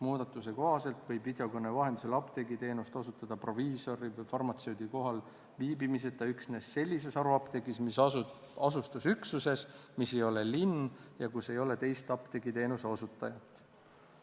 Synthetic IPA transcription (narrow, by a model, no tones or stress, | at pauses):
muːd̪̥ɑt̪ːˑus̬e̞ko̞ɦɑse̞lt̪vɤjbvid̪eokonːevɑɦe̞nd̪iselɑpt̪e̞ɡit̪e̞ːnust̪o̞sut̪ːˑɑd̪̥ɑpro̞viːso̞ɾivjfɑrmɑt̪se̞wd̪̥iko̞ɦɑl | viːbimis̬e̞t̪ːˑɑyksne̞sːe̞lʲːis̬e̞sɑɾuɑpt̪e̞ɡismisɑ | ɑsust̪usyksuse̞smisːe̞jo̞le̞linjɑkuse̞jo̞le̞t̪e̞jst̪ɑpt̪e̞ɡit̪e̞ːnuseo̞sut̪ːˑɑjɑt̪ːˑ